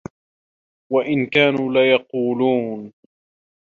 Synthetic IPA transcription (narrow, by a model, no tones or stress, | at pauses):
waʔɪnkaːnuːlajɑquːluːn